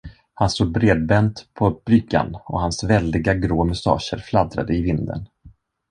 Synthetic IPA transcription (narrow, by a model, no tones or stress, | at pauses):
hanst̪uːd̪̚bɾeːd̪̚bɛnt̪pʰɔb̥ɾʏɡa̰nɔ̰hansvɛld̪ɪɡaɡɾoːmɵst̪ɑ̰ːʂə̰ɾflad̪ɾa̰d̪əɪvɪnd̪ə̰n